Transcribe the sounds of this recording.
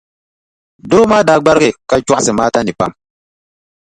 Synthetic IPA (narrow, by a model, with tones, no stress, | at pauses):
dʊ˦ɾo˦maː˦daː˦˨ɡ͡ba˦ɾɣɪ˨ka˦t͡ʃu˦ʔa˦sɨ˨maː˦ta˦nɪ˨pa̰˦˨m